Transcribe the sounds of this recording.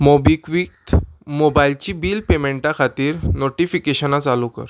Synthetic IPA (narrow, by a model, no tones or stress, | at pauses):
mobikʋik̚t̪mobailt͡ɕiːbiːlpemeɳʈakʰat̪iːɾnoʈifikeɕənat͡salukə̰ɾ